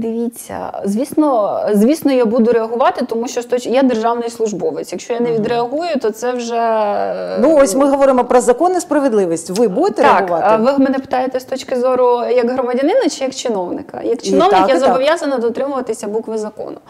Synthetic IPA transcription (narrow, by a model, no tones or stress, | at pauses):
d̪ɪʋʲit͡sʲːɐ̰zʲʋʲisnɔzʲʋʲisnɔjabud̪ʊɾeɐɦʊʋɑt̪ɪt̪ɔmuʃt͡ʃɔst̪ɔt͡ʃjad̪erʒɑwnɪjslˠʊʒbɔʋesʲjɐkʃt͡ʃɔjanɛʋʲid̪ɾeɐɦujʊt̪ɔt̪sɛwʒɛ | nuɔsʲmɪɦɔʋɔɾɪmɔpɾɔzɐkɔnɪspɾɐʋɪd̪ˠɪʋʲisʲtʲʋɪbud̪ɪt̪ɛɾeɐakʊʋɑt̪ʋɪmenɛpɪ̥t̪ɑjet̪ɛst̪ɔt͡ʃkɪzɔɾʊjɐkɦɾɔmɐdʲɐnɪnɐt͡ʃɪjɐkt͡ʃɪnɔwnɪkɐ̰jɐkt͡ʃɪnɔwnɪkjazɐbɔʋjazɐnɐd̪ɔt̪ɾɪmʊʋɐt̪ɪsʲɐbukʋɪzɐkɔ̰nʊ